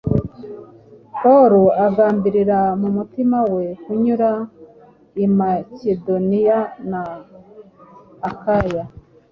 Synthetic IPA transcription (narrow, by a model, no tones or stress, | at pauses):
poɾuaɡaːmbiɾiɾamumutimawe̞kuɲuɾa | imacedo̞nijana | kaja